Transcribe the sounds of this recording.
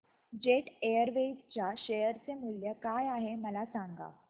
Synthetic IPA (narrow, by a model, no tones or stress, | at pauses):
d͡ʑeʈejəɾʋed͡ʑt͡ɕjaɕejəɾt͡semuljəkajaɦeməlasaŋɡa̰